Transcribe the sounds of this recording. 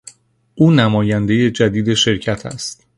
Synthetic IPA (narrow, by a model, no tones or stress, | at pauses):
ʔuːnæmɒːjænd̪e̞je̞d͡ʒæd̪iːd̪e̞ʃe̞ɾcʰæt̪ʰæ̰st̪